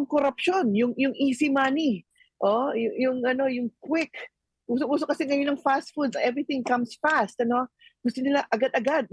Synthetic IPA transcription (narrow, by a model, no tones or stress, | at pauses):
ʊŋkoɾɐpʃo̞njʊŋjʊŋʔiːsimaːni | ʔojʊjʊŋʔɐno̞jʊŋkwɪk | ʔuːsobuːsokɐsɛŋɐjonɐŋfast̪̚fud̪̚sɐʔɛvɹɪθɪ̃ŋkɐmsfast̪̚ɐno̞ɡ̥ʊst̪onɪlaʔɐɡad̪ɐɡad̪̚